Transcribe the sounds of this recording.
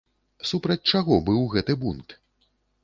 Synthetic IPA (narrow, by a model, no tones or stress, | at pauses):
supɾɐt͡sʲt͡ʂaɣɔbɨwɣɛt̪ɨbunt̪